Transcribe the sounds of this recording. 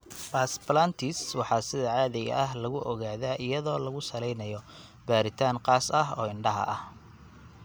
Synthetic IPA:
paːsplant̪ʰɪswɑħɑːsɪðɐʕɑːðɪɣɐ̰ʔɐɦlɐɣʊʔɔɣaːðaːʔɪjɐðɔːlɐɣʊsɐlɛjnɐjɔ | b̥aːɾɪt̪ʰaːŋqɑːsɐɦɔ̰ːɪɳɖɐɦɐ̰ʔɐh

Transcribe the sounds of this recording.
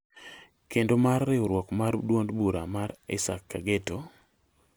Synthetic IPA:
kendomarːɪoɾwɔkmardwondbuɾamaɾɪ̰sakːaɡeto

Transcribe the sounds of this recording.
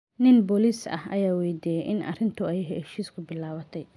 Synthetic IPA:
nɪnbɔlisɐ̰hɐ̰jaːwɛjd̪ijɛjʔɪnɐ̰rɪnt̪ʰʊɛjɦɛʃiːskʰʊbɪlaːwɐt̪ʰɛj

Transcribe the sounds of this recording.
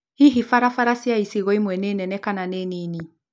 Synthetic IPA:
hiɦifaɾafaɾasiaisiɣɔimwɛneːnɛnɛkananeːneni

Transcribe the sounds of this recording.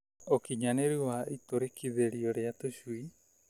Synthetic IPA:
okiɲaneɾiwaʔitoɾekʰiðeɾiɔɾeatoʃui

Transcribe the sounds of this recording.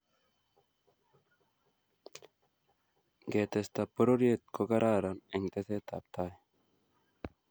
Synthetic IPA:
ɡet̪est̪apoɾoɾiet̪̚koɡaɾʔaɾaneŋt̪eθet̪a̰p̚t̪ae

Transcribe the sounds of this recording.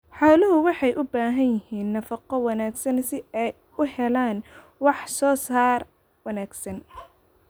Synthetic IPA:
ħɑːlʊɦʊwɑħɑjʔʊbaːɦɐnjɪhiːnːɐfɑqɔwɑnaːɡsɐnsɪɛj | ʊhɛlaːn | wɑħsɔːsaːr | wɑnaːɡsɐn

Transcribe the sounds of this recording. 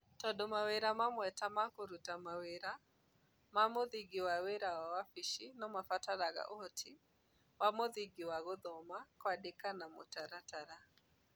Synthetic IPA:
tɔdomaweɾamamwɛtamakoɾutamaweɾa | mamoðiɡiwaweɾaawafiʃinɔmafataɾaɣa̰ʔohɔtʰi | wamoðiɡiwaɣoðɔmakwadekanamo̰taɾataɾa

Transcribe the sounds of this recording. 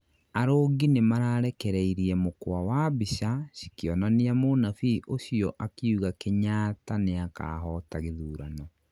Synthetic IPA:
aɾoːɡinemaɾaːɾɛkɛɾɛiɾiɛmokwawabiɕaɕikjɔnaniamonafiʔoɕiɔʔakeuɣakeɲaːtaneaka̰ɦɔtaɣeðuːɾanɔ

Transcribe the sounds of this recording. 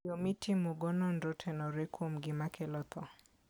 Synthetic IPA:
omitʰimuɡɔnɔndɔtʰɛnɔɾɛkʰwomɡɪmakʰɛlɔt̪ɔ

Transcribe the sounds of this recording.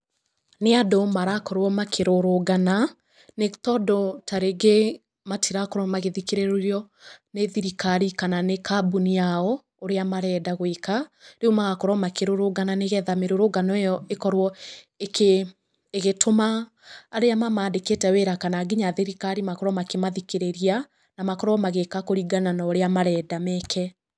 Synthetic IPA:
neadomaɾakɔɾwɔmakʰeɾoɾoɡana | netɔdɔtaɾeɡe | matʰiɾakɔɾɔmaɣeðikeɾeɾɾjɔ | neðiɾikaɾikananekabuniaɔ | oɾeamaɾɛdaɣwekaɾeumaɣakɔɾɔmakeɾoɾoɡananeɣɛðameɾoɾoɡanɔejɔekɔɾwɔ | ekeː | ɣetʰomaː | ɾeamamaːndeketɛweɾakanaɡiɲaðiɾikaɾimakɔɾɔmakemaðikeɾeɾia | namakɔɾɔɔmaɣekakoɾiɡananaoɾeamaɾɛːdamɛkʰɛ

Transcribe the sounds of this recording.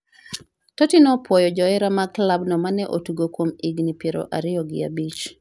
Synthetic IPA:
totinɔpwɔjɔd͡ʒɔɪɾamaklabnɔmanɛʔotuɡokwomiɡnipjeɾo̰ʔaɾɪjɔɡɪ̰abit͡ʃ

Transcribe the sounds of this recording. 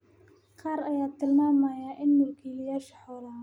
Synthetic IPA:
qɑːɾɐjaːt̪ʰɪlmaːmajaːʔɪnːʊlkʰiːlɪjaːʃħɔːlaː

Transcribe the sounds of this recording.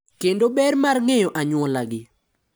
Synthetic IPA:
kendobɛrmarŋɛjɔʔaɲwɔlaɡɪ

